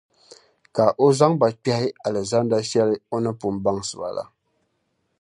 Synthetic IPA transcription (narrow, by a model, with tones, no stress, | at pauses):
ka˨ʔo˦za˦ŋba˨k͡pɛ˦hɪ˦a˨lɛ˨za˦nda˦ʃɛ˦lɨ˦o˦nɨ˦pu˨m˦ba˦ŋsɨ˨ba̰˨la̰˦